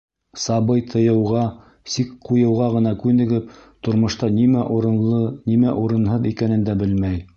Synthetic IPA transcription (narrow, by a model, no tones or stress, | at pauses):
sɑβɤjt̪ʰɤ̆jɤ̆wʁɑ | sikqujɤ̆wʁɑʁɤ̆n̪ɑkʉnɘ̆ɡɘp̚t̪ŏɾmŏʃt̪ɑnimæʔɾɤnimæʔuɾɤ̆nɦɤðikænɘ̆nd̪æbɘlmæj